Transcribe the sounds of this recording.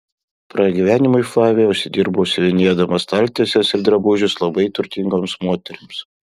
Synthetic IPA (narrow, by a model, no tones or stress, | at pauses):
pɾɐɡʲiʋʲæːnʲɪmʊɪfˠɑːʋʲeʊʃʲsʲɪd̪ʲiːɾbʊʃsʲɪʋʲɪnʲiɛd̪ɐmɐst̪ɐlʲt̪ʲesʲɛsɪɾd̪ɾɐbʊʒʲʊslˠɐbɐɪt̪ʊɾʲt̪ʲɪŋɡoːmsmoːt̪ʲɛɾʲɪms